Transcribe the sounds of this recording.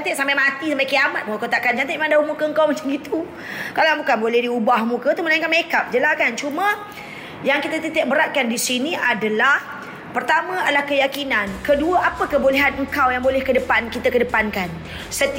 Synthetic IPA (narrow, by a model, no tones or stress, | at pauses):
nt̪et̪̚sampajmat̪isəmpakiamat̪̚buakot̪aʔkant͡ʃant̪eʔmãndaumukəəŋkawmat͡ʃamɡit̪u | kalabukanbolɛhdiubahmũkət̪umənaiŋkanmekap̚d͡ʒəlahkant͡ʃumə̃ | jaŋkit̪at̪ət̪ɛʔ̚bəɾaʔ̪̚kandisiniʔadalah | pərt̪amãalahkəjakinankəduəʔapəkəboleɦanəŋkawjaŋbolɛhkədəpankit̪akədəpankan | sət̪